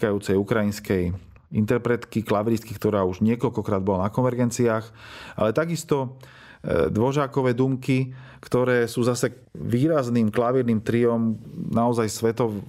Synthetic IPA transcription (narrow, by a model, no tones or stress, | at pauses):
kajuːt͡sɛjukɾajinskɛj | ḭnt̪ɛɾpɾɛt̪kiklaʋɾiskikt̪ɔɾaːuʒɲɪɛkɔlkɔkɾaːd̪bɔlanakɔnʋɛɾɡɛnt͡siaːxa̰lɛt̪aɡist̪ɔ | d̪ʋɔʒaːkɔʋɛːd̪uːmki | kt̪ɔɾɛːsuːzasɛ | ʋiːɾazniːmklaʋiɾniːmt̪ɾiɔmnaɔzajsʋɛt̪ɔʋ